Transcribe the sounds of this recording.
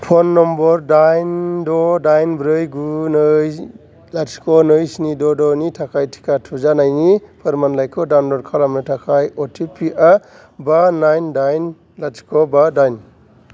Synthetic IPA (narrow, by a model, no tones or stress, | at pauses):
pʰɔnːɔmbɔɾdajndɔdajnbɾɯjɡunɯj | laskʰɔnɯjsinidɔdɔnitʰakʰajtʰi̥kʰatʰuzanajnipʰɯɾmanlajkʰɔdawnlɔɾ̚kʰalamɯtʰakʰajɔtʰipʰiʔa | banajndajn | latkʰɔbadajn